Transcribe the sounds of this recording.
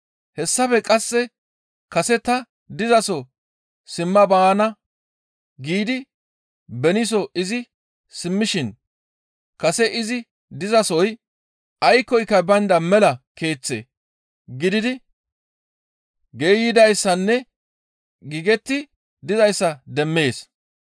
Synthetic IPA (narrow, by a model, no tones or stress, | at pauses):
hɛsːɐfɛkʼɐsːɛ | kɐsɛt̪ɐ | d̪ɪzɐsɔ | sɪmːɐbaːnɐ | ɡiːd̪ɪ | bɛnɪs̬ɔɪzɪ | sɪmːɪʃɪn | kɐsɛʔɪzɪ | d̪ɪzɐsɔj | ɐjkːɔjkːɐbɐnd̪ɐmɛlɐke̞ːt͡sːḛ | ɡɪd̪ɪd̪ɪ | ɡeːjɪd̪ɐjsːɐnːɛ | ɡiɡɛt̪ːɪ | d̪ɪzɐjsːɐd̪ɛmːe̞ːs